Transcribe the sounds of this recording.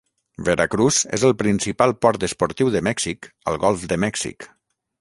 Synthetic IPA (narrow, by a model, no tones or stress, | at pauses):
bəɾʔakɾuzḛzəlˠpɾinsipalˠpɔɾt̪əspuɾt̪iwðəmɛksikə̰lˠɣɔlˠfd̪əmɛksḭk